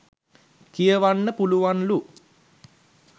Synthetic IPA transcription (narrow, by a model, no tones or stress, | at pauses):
kijəʋanːəpuluʋanlu